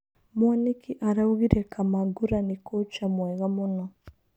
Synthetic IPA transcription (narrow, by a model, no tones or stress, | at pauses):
manikiʔaɾauɣiɾɛkʰamaɡuɾanikot͡ʃamwɛɣamunɔ